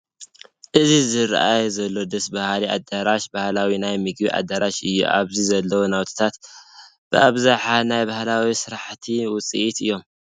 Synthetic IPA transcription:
ʔɨzizɨɾ̰ʔajzɐlːo̞d̪ɐsbahlia̰d̪aɾaʃbahlawinajmɨɡbiʔa̰d̪aɾaʃɨjːṵʔa̰βzizɐlːɐwunawt̪ʰɨ̥t̪ʰat̪ | b̥ɨʔaβzaħanajbahlawisɨɾaħt̪ʰiwʊt͡sʼiʔit̪ɨjːo̞m

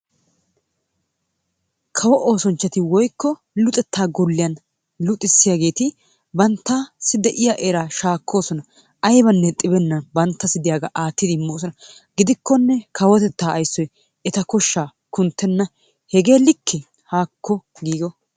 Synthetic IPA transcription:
kʰɐwɔʔoːsɔnt͡ʃːɐt̪ɪwɔjkːɔ | lʊt̪ʼɛt̪ʰːaːɡɔlːɪjɐn | lʊt̪ʼːɪsːɪjaːɡe̞ːt̪ɪ | bɐnt̪ːasɪd̪ɛʔɪjaʔeɾaːʃaːkʰːo̞ːsɔnɐ | ʔɐjbɐnːɛt̪ʼɪbɛnːɐbɐnt̪ːɐsɪd̪ɪjaːɡɐʔaːt̪ːɪd̪ɪmːoːsɔnɐ | ɡ̥ɪd̪ɪkːɔnːɛkɐwɔt̪ɛt̪ːaːɐjsːɔj | ɛt̪ɐkɔʃːaː | kʊnt̪ːɛnːɐ | hɛɡe̞ːlɪkʰːɛ | haːkːɔ | ɡiːɡɔ

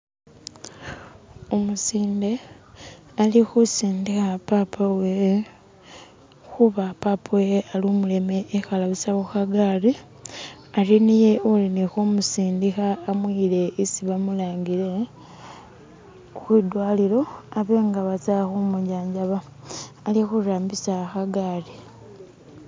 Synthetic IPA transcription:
omusiːnde̞ | alixusiːndixapaːpʰawe | xuβapaːpʰawealumule̞me̞ʔːxalaβisawuxaɡaːɾi | aɾinije̞ulinixumusiːndixaːmwiːle̞isiβamulaːŋɡiɾe̞ | xwidwaːlilo̞aβe̞ːŋɡaβat͡saxumuɟaːɲɟaβaː | lixuɾaːmbisaxaɡaːri

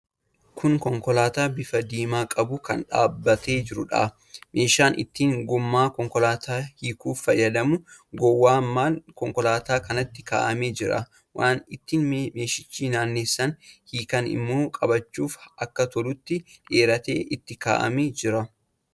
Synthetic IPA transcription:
kʰʊŋkɔŋkɔlaːt̪aːbɪfɐd̪iːmaːkʼɐbʊkɐnᶑa̰ːbːɐt̪e̞ːd͡ʒɪɾʊᶑa̰ː | me̞ːʃaːnʔɪ̰t̪ːiːŋɡʊmːaːkɔŋkɔlaːt̪ʰaːhiːkuːfːɐjɐd̪ɐmʊɡɔwːaːmːaːnkɔŋkɔlaːt̪aːkɐnɐt̪ːɪ̥ka̰ːʔɐmeːd͡ʒɪɾɐ̰ | wʔaːnɪt̪ːiːnme̞ːʃɪt͡ʃːiːnaːnːeːsːɐnhiːkɐnɪ̰mːo̞ːkʼɐbɐt͡ʃːuːfɐkːɐt̪ɔlʊt̪ːɪᶑeːɾɐt̪ḛːʔɪt̪ːɪka̰ːʔɐ̰meːd͡ʒɪɾɐ

